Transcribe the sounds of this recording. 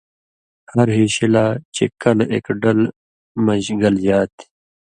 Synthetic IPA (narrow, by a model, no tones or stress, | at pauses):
hɐɾɦiːɕilaːt͡ɕḛkɐlḛːkɖɐl | mɐʑɡɐld͡ʑaːt̪i̥